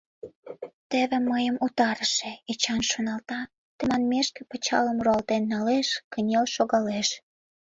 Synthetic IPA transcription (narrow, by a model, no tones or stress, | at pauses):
t̪eβĕmːəjəmut̪ɑɾəʃĕet͡ɕɑnʃonɑlt̪ɑ | t̪ə̆mɑnmeʃkĕpət͡ɕɑləmruɑlt̪enːɑleʃkənʲelʃoɣɑleʃ